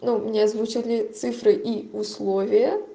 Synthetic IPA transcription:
numʲnʲezvut͡ɕalʲɪt̪sɨfɾɨʔiuslˠoɔvʲɪjə

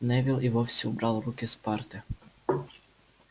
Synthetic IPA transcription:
nɛʋilˠiʋofsʲɛubɾalˠɾukʲɛspaɾt̪ɛ

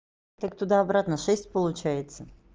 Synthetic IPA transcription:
tt̪akt̪ʊd̪aɐbɾat̪nəʂɛsʲtʲpəlˠʊt͡ɕæjɪt̪sə

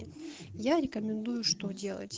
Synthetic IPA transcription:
jaɾʲɪkəmʲɪnd̪ujʊʂt̪odʲe̞lˠə̰tʲ

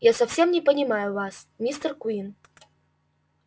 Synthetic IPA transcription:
jasɐfsʲemnʲɪpənʲɪmajʊvasmʲist̪ərkuin

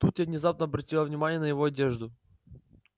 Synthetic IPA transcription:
t̪ut̪ʲavnʲɪzap̚nəɐbɾɐtʲilˠəvnʲɪmanʲɪjənəjɪvoɐdʲeʐd̪ʊ

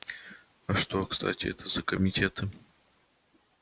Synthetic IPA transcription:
ɐʂt̪o̞kst̪ʰa̰tʲɪɛ̰t̪ʰəzəkəmʲɪtʲet̪ɨ

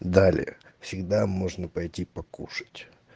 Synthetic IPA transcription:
d̪alʲɪ̰jə̰fsʲɪɡd̪amo̞ʐnəpɐjtʲipɐkuʂə̥tʲ

